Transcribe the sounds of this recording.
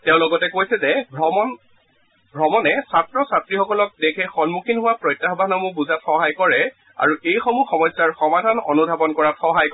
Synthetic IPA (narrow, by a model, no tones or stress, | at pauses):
teʊ̃lɔɡɔtɛkojsɛzɛbʱɔmɔn | bʱɹɔmɔnɛsatɹɔsatɹixɔkɔlɔk̚dekʰɛxɔnmukʰinɦʊwapɹɔjtːaɦbʱanɔmubuzatxɔɦajkɔɹɛ | a̰ɹuʔejxɔmuxɔmɔjsaɹxɔmadʱanɔ̰nubʱabɔnkɔɹatxɔɦajk